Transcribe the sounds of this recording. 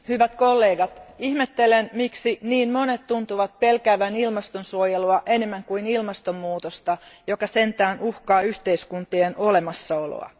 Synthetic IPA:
hyʋæt̪kolːeːɡɑt̪ihmet̪ːe̞lenmiksiniːnmo̞net̪ːunt̪uʋɑt̪̚pe̞lkæːʋænilmɑst̪onsuojeluɑʔe̞ne̞mːæŋkuinilmɑst̪omːuːt̪ost̪ɑjo̞kɑse̞nt̪æːnʔuhkɑːyht̪e̞iskunt̪ienʔole̞mɑsːɑo̞lo̰ɑ̰

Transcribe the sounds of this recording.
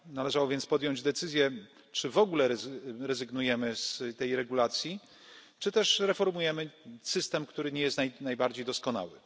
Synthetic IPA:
nalɛʐawɔvʲjɛntspɔd̪jɔɲd͡ʑd̪ɛt̪sɘzʲjɛ | t͡ʂɘvɔɡulɛɾɛzɾɛzɘɡnujɛmɘst̪ɛjɾɛɡulat̪sʲji | t͡ʂɘt̪ɛʂɾɛfɔɾmujɛmɘsɘst̪ɛmkt̪uɾɘɲɛjɛst̪najnajbaɾd͡ʑejd̪ɔskɔna̰wɘ̰

